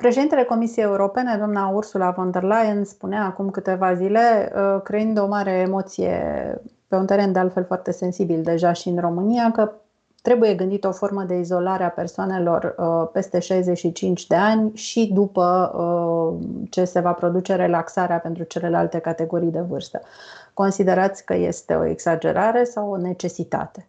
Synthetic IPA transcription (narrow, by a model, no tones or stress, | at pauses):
pɾeʃed̪int̪ele̞ko̞misiejeuɾo̞pe̞ned̪oamnaursulavond̪erlajənspuneaːkumkɨt̪e̞vazile̞əkɾeind̪o̞maɾe̞ːmo̞t̪sijḛ | pe̞unt̪e̞ɾe̞nd̪ealt̪fe̞lfoart̪e̞se̞nsibild̪e̞ʒaʃiɨnro̞mɨnijakə | t̪ɾe̞buje̞ɡɨnd̪it̪o̞fo̞rməd̪e̞izo̞laɾeape̞rsoane̞lo̞rəpe̞st̪e̞ʃajze̞ʃit͡ʃint͡ʃʲd̪e̞anʲʃid̪upəə | t͡ʃe̞se̞vapɾo̞d̪ut͡ʃe̞ɾe̞laksaɾeape̞nt̪ɾut͡ʃe̞le̞la̰lt̪e̞kat̪e̞ɡo̞ɾijd̪e̞vɨrst̪ə̥ko̞nsid̪e̞ɾat̪sʲkə̰je̞̰st̪e̞̰o̞̰ḛksad͡ʒe̞̰ɾaɾe̞sawone̞t͡ʃe̞sit̪a̰t̪e̞̥